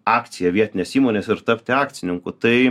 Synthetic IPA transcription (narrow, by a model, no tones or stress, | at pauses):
ɑːkt̪sʲɪjɛʋʲiɛt̪ʲɪnʲeːsiːmoːnʲeːsɪɾt̪ɐpʲt̪ʲɪɑːkt̪sʲɪnʲɪŋkʊt̪ɐɪ